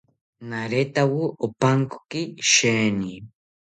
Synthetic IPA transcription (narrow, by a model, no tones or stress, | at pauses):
naɾet̪awʊopaŋko̥kiʃeːni